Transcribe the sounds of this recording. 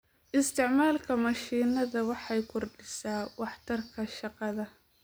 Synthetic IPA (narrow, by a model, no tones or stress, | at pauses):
ʔɪst̪ʰɪʕmaːlkʰɐmɐʃiːnɐðɐwɑħɑjkʰʊrɖɪsaːwɑħt̪ʰɐrkʰɐʃɑqɑðɐ